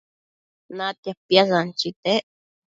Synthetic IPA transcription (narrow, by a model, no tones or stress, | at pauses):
nat̪jahpjas̬ant͡ʃit̪eʔ